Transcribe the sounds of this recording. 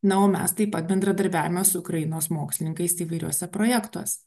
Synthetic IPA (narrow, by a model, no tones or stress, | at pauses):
nɐoːmʲɛ̰st̪ɐɪpːɐt̪̚bʲɛnd̪ɾɐd̪ɐɾʲbʲæːʋʲɪmɛsʊʊkɾɐjɪnoːsmoːksʲlʲɪnʲɪŋkɐɪsiːʋɐɪɾʲuɔsʲɛpɾoːjɛkt̪o̰ːsʲɛ̥